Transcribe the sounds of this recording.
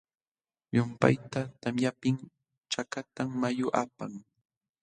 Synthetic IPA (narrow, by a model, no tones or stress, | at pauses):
jʊmpa̰jt̪at̪amjapɪŋ | t͡ʃakat̪amːajʊʔa̰paŋ